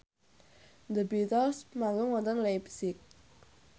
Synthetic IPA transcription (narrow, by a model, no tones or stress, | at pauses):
nd̪əbit̪ɔlsmaŋɡʊŋwɔnt̪ɔnlɛbsɪk̚